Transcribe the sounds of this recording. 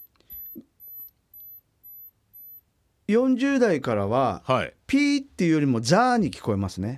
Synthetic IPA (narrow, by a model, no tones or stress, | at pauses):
jõ̞ɲ̟d͡ʑɨːd̪aikaɾaβahipʲiːt̪ːe̞iɯ̟jo̞ɾʲimo̞zaːɲ̟ikʲi̥ko̞e̞masɨne̞